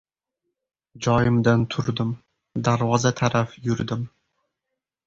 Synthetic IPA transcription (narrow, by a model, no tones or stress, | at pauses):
d͡ʒɒjɪmd̪ant̪ʰʊɾd̪ɪm | d̪aɾvɒzat̪ʰaɾafjʊɾd̪ɪm